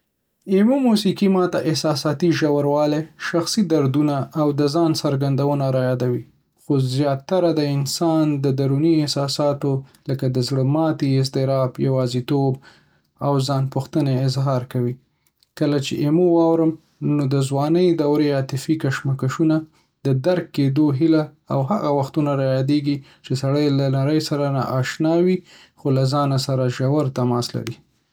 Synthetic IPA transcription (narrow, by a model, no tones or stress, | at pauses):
emumusikimɑt̪aʔɪhsɑsɑt̪iʒawaɾwɑleʃaxsid̪aɾd̪unaːwd̪əzɑnsaɾɡand̪awənaɾajɑd̪awi | xozjɑt̪ːaɾad̪əɪnsɑnd̪əd̪aɾuniɪhsɑsɑt̪oləkad̪əzɽəmɑt̪iɪsd̪ɪɾɑbjawɑzit̪ob | awzɑnpʊxt̪əneɪzɦɑɾkawi | kəlat͡ʃeʔemowɑwɾəm | nod̪əzwɑnəjd̪awɾeat̪ɪfikaʃmakaʃuna | d̪əd̪aɾkːed̪oɦila | awɦaɣawaxt̪unaɾajɑd̪eɡi | t͡ʃesaɽəjlanaɾəjsaɾana̰ʔɑʃnɑwi | xolazɑnasaɾaʒawaɾt̪amɑsla̰ɾi